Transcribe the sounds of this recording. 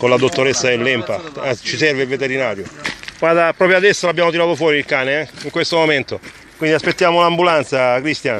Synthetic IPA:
konlad̪ot̪ːoɾesːad̪elːɛmpat͡ʃːisɛrveilvet̪eɾinaːɾjokad̪apɾɔːpɾjoad̪ɛsːoabːjaːmot̪iɾaːt̪ofwɔːɾiilkaːneɛiŋkwest̪omoment̪o | kwind̪iaspet̪ːjaːmolambulant̪sakɾist̪jan

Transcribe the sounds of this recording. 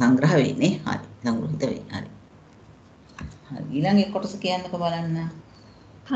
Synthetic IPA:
saŋɡɾɐɦəʋḛnːeha̰ɾisaŋɡuɾuɦit̪əʋḛnːa̰ɾi | ha̰ɾḭiːlaŋɡekːoʈosəkijand̪okəbalanːa

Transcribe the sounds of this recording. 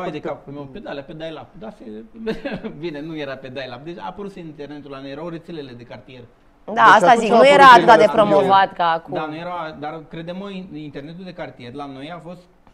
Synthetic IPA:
ajd̪ekaped̪alaped̪ajlap̚d̪ase | binenujeɾape̞d̪ajlap̚d̪et͡ʃa̰pəɾut̪senint̪ernet̪ulanujeɾawre̞t̪sele̞le̞d̪e̞kart̪ie̞r | d̪aast̪aziknujeɾaːt̪ɨt̪ad̪epɾo̞mo̞vat̪kaːkduanujeɾawad̪arkɾe̞d̪emoiint̪erne̞t̪uld̪e̞kart̪ije̞rlano̞jafo̞st̪

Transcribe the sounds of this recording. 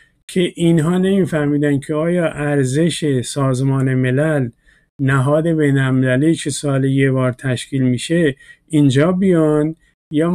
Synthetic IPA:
kʰe̞ʔinɦɒːne̞miːfæhmiːd̪æncʰe̞ɒːjɒːʔæɾze̞ʃe̞sɒːzmɒːne̞me̞læl | næɦɒːd̪e̞be̞jnælmelæliːkʰe̞sɒːlejebɒːɾt̪ʰæʃkʰiːlmiːʃe | ind͡ʒɒːbijɒn | jɒː

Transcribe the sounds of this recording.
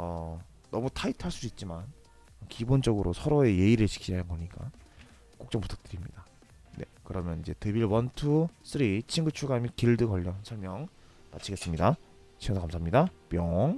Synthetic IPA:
ʌ | nʌmutʰaitʰaɭs͈udoit̚t͡ɕ͈iman | kibond͡ʑʌɡɯɾosʰʌɾoe̞je̞iɾɯɭɕʰi̥kʰid͡ʑʌjaŋɡʌɲik͈a̰ | k͈ok̚t͡ɕ͈ʌŋpu̥tʰḁk̚t͈ɯɾimɲḭd̥a | ne̞̰kɯɾʌmjʌnid͡ʑe̞tebiɭwʌntʰus͈ɯɾit͡ɕʰiŋɡut͡ɕʰuɡamikiɭdɯkʌʎːʌnsʰʌɭmjʌŋ | na̰t͡ɕʰiɡe̞s͈ɯmɲida | t͡ɕʰiasʰakamsʰaːamɲidapjʌŋ

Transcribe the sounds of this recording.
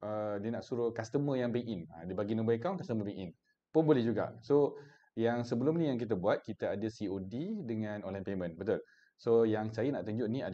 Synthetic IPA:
ʔədiənaʔsuɾʊkast̪əməjaŋbɛŋʔina̰dibaɡinũmbaekawnkast̪əməbɛŋin | pʊnbolɛhd͡ʒuɡa̰ʔso | jaŋsəbəlʊmnĩjaŋk̬it̪̬abuat̪̚kit̪aadəsiodidəŋãnonlajpemə̃nbət̪ʊl | sojaŋsajəna̰ʔt̪uɲd͡ʒʊʔniad

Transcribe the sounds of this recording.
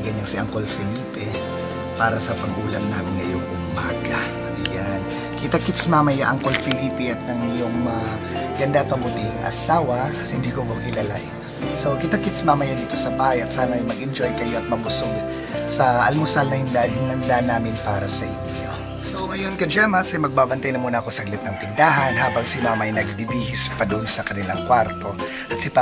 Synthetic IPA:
ɡɐɲːaŋsɪʔɐŋkolfɪliːpɛ | paːɾɐsɐpɐɡʔuːlɐmnaːmɪnŋɐjoŋʔʊmːaːɡɐ | ʔɐ̰jan | kɪt̪akɪt̪smamɐjaʔɐŋkolfɪliːpɪʔɐt̪̚nɐŋɪjoŋmɐ | ɡ̥ɐnd̪apɐmbʊt̪iŋʔɐ̰saːwɐsɪnd̪ikobokɪlalaj | so̞kɪt̪akɪt̪smamɐjad̪iːt̪o̞sɐbaːhɐjʔɐt̪saːnɐɐjmɐɡʔɪnd͡ʒojkɐjo̞ʔɐt̪̚mɐbʊsoɡ | sɐʔɐ̰lmʊsalnɐhɪnd̪aʔnnɐnd̪aʔnaːmɪnpaːɾɐsɐʔɪnjo̰ | soŋɐjonkɐd͡ʒaːmɐsɐjmɐɡ̚baːbɐnt̪ajnɐmuːnɐkosɐɡlɪt̪̚nɐŋt̪ɪnd̪aːɦɐnɦaːbɐŋsɪmaːmajnɐɡbibihɪspɐd̪ʊʔnsɐkɐnɪlaŋkwaɾt̪o̞ | ʔɐt̪sɪpa

